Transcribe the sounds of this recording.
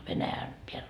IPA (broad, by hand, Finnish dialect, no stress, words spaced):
ʋenæjæn peælː